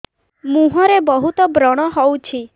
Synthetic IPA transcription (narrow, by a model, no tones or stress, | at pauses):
mũɦɔɾebɔɦut̪ɔbɾɔɽ̃ɔɦɔwt͡ʃʰi